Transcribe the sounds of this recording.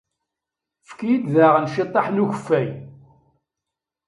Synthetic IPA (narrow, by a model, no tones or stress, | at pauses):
fkijid̪ðaʁənʃit̪ˤːɑħnuçəfːæj